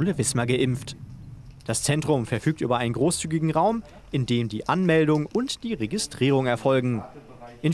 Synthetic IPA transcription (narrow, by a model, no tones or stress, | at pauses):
ləvɪsmɐɡəʔɪmft | d̥ast͡sɛntʁ̥ʊmfɛɐfyːk̚tʔy̰ːbɐʔaɪnənɡʁoːst͡syːɡɪɡŋ̩ʁaʊm | ʔɪndeːmdiːʔanmɛldʊŋʊntd̥iːʁeɡɪstʁ̥iːʁ̞ʊŋɛɐfɔlɡŋ̩ | ʔɪn